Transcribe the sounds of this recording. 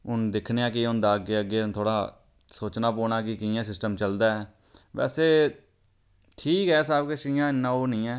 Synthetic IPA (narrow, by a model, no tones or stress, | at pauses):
ʊnd̪ɪkʰneːãːk̬ɪʊnd̪aːəɡeːəɡːeːt̪ʰoːɽaː | soːt͡ʃnaːpoːnaːkɪkɪãːsɪsʈəmt͡ʃəld̪aːɛː | ʋɛ̰ːseː | ʈʰiːkɦɛːsaːbkeʃĩːãːɪnːãːoːnĩːɛː